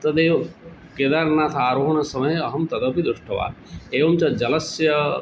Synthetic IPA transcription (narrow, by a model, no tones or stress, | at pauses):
t̪ɐd̪eːʋ | ked̪aɾnaːt̪ʰaːɾoɦɐnɐsɐmɐjeɐɦɐmt̪ɐd̪ɐpid̪ɾuʂʈɐʋa̰ːd̪eːʋɐmt͡ʃɐd͡ʒɐlɐsjɐ